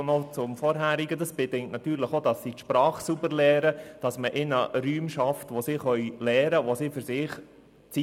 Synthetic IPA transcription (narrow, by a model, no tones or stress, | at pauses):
nɔt͡sʊmfɔɾɦæːɾiɡədɑsb̥edɪŋk̚tnɑt̪yːɾləχodɑsːit̪ʃpɾɑːχsubəɾlɛːɾəd̥ɑsməʔɪnəɾyːmʃɑftʋosiχœʏlɛːɾəʋosifʏɾsɪːχ | t͡si